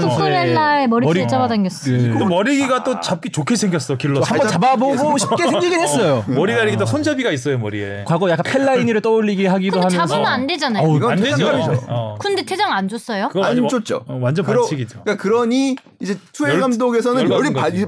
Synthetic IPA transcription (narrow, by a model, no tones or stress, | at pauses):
senːaemʌɾiɾiet͡ɕabadanɡes͈domʌɾiɡiɡat͈ot͡ɕap̚k͈it͡ɕokʰe̞sʰeŋɡʲjʌs͈ʌjokiɭːʌhambʌt͡ɕababoɡoɕʰi̥p̚keseŋɡiɡiɦes͈ʌjomʌɾiɡaɾiɡit͈osʰʌnd͡ʑabiɡais͈ʌjomʌ̰ɾḭḛkwaɡojak͈anpʰeɭːaiɲiɾɯɭt͈ʌuʎːiɡiɦaɡidohamjʌansunɯnande̞d͡ʑanajoɡʌanded͡ʑookɯnde̞tʰed͡ʑaŋand͡ʑos͈ʌjokɯɡand͡ʑot̚t͡ɕ͈o̰wand͡ʑʌnkɯɾʰiɡid͡ʑokakɯɾʌɲi | id͡ʑesʰueɡamdoɡe̞sʰʌnɯʌɾi